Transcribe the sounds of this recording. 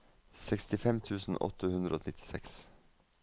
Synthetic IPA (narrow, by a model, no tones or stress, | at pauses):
sɛkst̪ɪfɛmt̪ʰʉːsn̩ʔɔ̰t̪əhʉnd̪ɾəoːnɪt̪ʰɪ̥sɛ̰ks